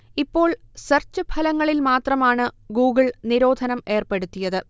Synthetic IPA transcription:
ipːo̞ːɭsɐrt͡ɕːɨbʱɐlɐŋːɐɭilmaːt̪rɐmaːɳɨɡuːɡɐɭniɾo̞ːd̪ʱɐnɐme̞ːrpeɽut̪ːijɐðɨ

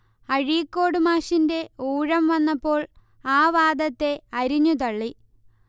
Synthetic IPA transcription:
ɐɻijkːo̞ːɽɨmaːɕinde̞uːɻɐmʋɐnːɐpːo̞ːɭ | aːʋaːd̪ɐt̪ːe̞ɐɾiɲːut̪̬ɐɭːi

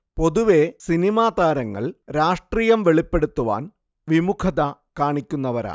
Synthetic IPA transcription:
po̞ðuʋe̞sinimaːd̪aːɾɐŋːɐ̰ɭɾaːʂʈriːjɐmʋeɭipːe̞ɽut̪ːuʋa̰ːn | ʋimukʰɐðɐkaːɳikʲːunːɐʋɐɾa̰ː

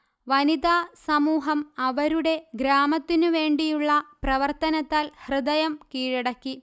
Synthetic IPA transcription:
ʋɐnid̪aːsɐmuːɦɐmɐʋɐɾuɽe̞ɡɾaːmɐt̪ːinɨʋe̞ːɳɖijuɭːɐprɐʋɐrt̪ɐnɐt̪ːaːlhrɨd̪ɐjɐmkiːɻiɽɐkːi

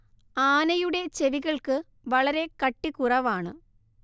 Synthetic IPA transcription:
aːnɐjuɽe̞t͡ɕe̞ʋiɣɐɭkɨ | ʋɐɭɐɾe̞kɐʈːikurɐʋaːɳɨ̰

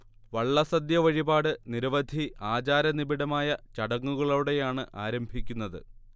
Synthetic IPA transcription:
ʋɐɭːɐsɐd̪jɐʋɐɻibaːɽɨniɾɐʋɐd̪ʱiʔaːt͡ɕaːɾɐnibiɽɐmaːjɐt͡ɕɐɽɐŋːuɣɐɭɐuɽe̞jaːɳɨʔaːɾɐmbʱikʲːunːɐðɨ̰

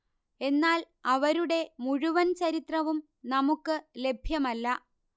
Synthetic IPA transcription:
e̞nːaːl | ɐʋɐɾuɽe̞muɻuʋɐnt͡ɕɐɾit̪rɐʋum | nɐmukːɨle̞bʱjɐmɐlːɐ

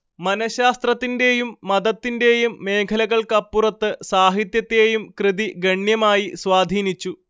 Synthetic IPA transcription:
mɐnɐɕaːst̪rɐt̪ːinde̞jumːɐðɐt̪ːinde̞jumːe̞ːkʰɐlɐɣɐɭkɐpːurɐt̪ːɨsaːɦit̪jɐt̪ːe̞ːjumkrɨðiɡɐɳjɐmaːjiswaːd̪ʱiːnit͡ɕːu

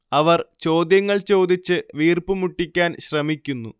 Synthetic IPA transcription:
ɐʋɐrt͡ɕo̞ːd̪jɐŋːɐɭt͡ɕo̞ːd̪it͡ɕːɨʋiːrpɨmuʈːikʲːaːnɕrɐmikʲːunːu

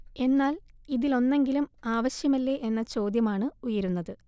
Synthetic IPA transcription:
e̞nːaːliðilo̞nːe̞ŋɡilumaːʋɐɕjɐmɐlːeʔenːɐt͡ɕo̞ːd̪jɐmaːɳɨujɐɾunːɐðɨ

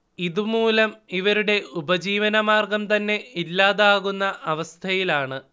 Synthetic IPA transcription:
iðumuːlɐmiʋɐɾuɽe̞ubɐd͡ʑiːʋɐnɐmaːrɡɐmt̪ɐnːe̞ilːaːðaːɣunːɐʔɐʋɐst̪ʰɐjilaːɳɨ

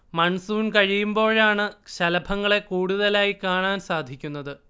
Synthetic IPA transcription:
mɐɳsuːunkɐɻijumbo̞ːɻaːɳɨɕɐlɐbʱɐŋːɐɭe̞kuːɽuðɐlaːjikaːɳaːnsaːd̪ʱikʲːunːɐðɨ

